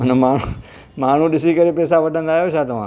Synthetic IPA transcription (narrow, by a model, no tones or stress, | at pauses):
ənmaːɳ̤u | maːɳ̤ũɗɪsikəɾepɛːsaʋɐʈʰə̃nd̪aːɦjoʃʰat̪ɐʋ̤ãː